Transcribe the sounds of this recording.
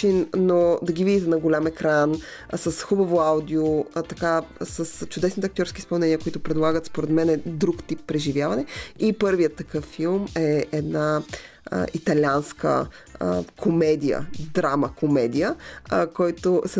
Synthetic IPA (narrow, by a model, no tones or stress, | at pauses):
innod̪ɐɡivid̪it̪ɛnɐɡolʲamɛkɾan | sɐsxubɐvoawd̪iot̪ɐkasəst͡ʃʊd̪ɛsnit̪ɛɐk̚t̪ʲjɔɾskispɐlˠnɛniəkoʊit̪ʊpɾɛd̪lˠaɡət̪spoɾɛd̪mɛnɛd̪ɾukt̪ipːɾɛʒivjavɐnɛipɤɾvijət̪ːɐkɤfːilˠmɛɛd̪na̰ | it̪ɐlʲanskə̰ | kʰomɛd̪ijə̰d̪ɾaməkomɛd̪ijəkɔjt̪osɛ